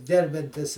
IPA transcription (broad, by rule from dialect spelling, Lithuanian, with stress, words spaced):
ˈɡʲɛrʲbʲɛnʲtʲɪs